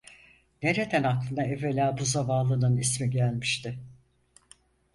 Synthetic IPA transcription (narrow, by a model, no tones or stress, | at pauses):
ne̞ɾe̞d̪ænaklˠɯnd̪aeve̞lʲaːbuzavaːlˠɯnɯnismiɟælʲmiʃt̪ʰɪ